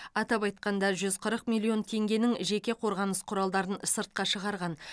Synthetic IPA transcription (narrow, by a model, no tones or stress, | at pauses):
ɑt̪ɑpɑjt̪̚qɑnd̪ɑʒʏzqʰəɾəqmʲilːˠio̞nt̪ʰe̞ŋɡʲe̞nɪŋʒe̞kʲe̞qʰo̞ɾʁɑnəsqʰʊɾɑlˠd̪ɑɾənsəɾt̪̚qɑʃəʁɑɾʁɑn